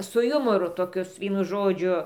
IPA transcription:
sʊ ˈjʊmoːrʊ toːˈkʲʊs ˈʋʲiɛnʊ ˈʒoːd͡ʒʲʊ

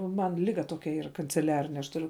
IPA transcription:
ˈmɐn ˈlʲɪɡɐ ˈtoːkʲɛ ˈiːrɐ kɐnʲt͡sʲɛˈlʲæːrʲɪnʲɛ ɐʃ tʊˈrʲʊ

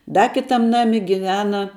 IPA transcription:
ˈdɐ ˈkʲɪtɐm ˈnɑːmʲɪ ɡʲɪˈʋʲæːnɐ

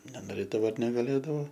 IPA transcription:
nʲɛnoːˈrʲeːdɐʋoː ɐr nʲɛɡɐˈlʲeːdɐʋoː

